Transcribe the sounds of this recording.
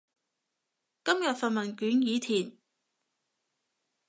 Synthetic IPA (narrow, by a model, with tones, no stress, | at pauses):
kɐ˥mjɐ˨t̚fɐ˨nmɐ˨nkyː˨˥njiː˨˧t̪ʰiː˨˩n